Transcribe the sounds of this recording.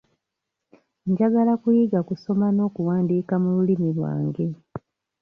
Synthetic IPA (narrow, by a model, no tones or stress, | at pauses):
ɲɟaɡalakujiɡakuso̞mano̞ːkuwaːndiːkamululimilwa̰ːŋɡe̞